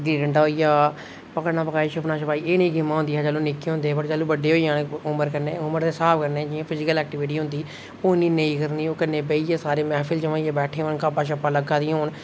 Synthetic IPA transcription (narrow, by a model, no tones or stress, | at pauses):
ɡɾiːɖəɳʈaoːijaː | pəkəɾnãːpəkaːiːʃəpnaːʃəpaːiːeːnĩːɡɪmːãːɦʊ̃nd̪iːɦɛːd͡ʒəːloːnɪkːeːɦõnd̪eːɛpəʈd͡ʒəːloːbəɖeːɦoːijãːnʊməɾkəɾneːʊməɾt̪eːsaːpkəɾneːd͡ʒɪãːpʰɪd͡ʒɪkəlɛːk̚ʈɪʋɪʈiːɦʊ̃nd̪iː | oːniːnəĩːkəɾniːoːkənːeːbeiːaːsaːɾeːmɛːpʰɪlt͡ʃəʋãːijaːbɛːʈʰeːɦoːnkaːpaːʃəpːaːləɡaːiːɦoːn